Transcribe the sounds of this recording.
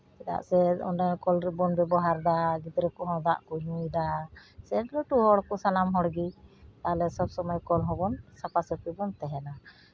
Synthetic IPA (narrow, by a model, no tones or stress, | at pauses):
ɛd̪a̰ʔsɛɔɖɔkɔlɾɛbɔnbɛbɔɦaɾd̪aɡit̪ɾɛkɔɦɔ̃d̪a̰ʔkɔɲujdasɛlɔʈuɦɔɽkɔsalamɦɔɽɡit̪alɛsɔb̚sɔmɔjkɔlɦɔ̃bɔnsapasɔpibɔnt̪ɛɦɛna